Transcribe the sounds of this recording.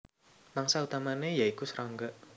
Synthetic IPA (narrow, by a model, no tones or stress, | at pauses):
maŋsaut̪amanejaikusəɾʔaŋɡəʔ